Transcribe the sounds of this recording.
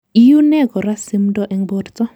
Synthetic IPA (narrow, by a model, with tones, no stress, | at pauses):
i˦ju˦nɛ˦ɡɔ˨ɾa˦si˦mdɔ˦ʔɛ˨ŋbo˦ɾtɔ˦